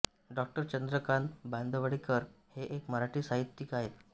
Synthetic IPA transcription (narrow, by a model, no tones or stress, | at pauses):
ɖɔk̚ʈəɾt͡ɕənd̪ɾəkanband̪ʱəʋaɽikəɾheʔekməɾaʈiːsaɦit̪ːikaɦet̪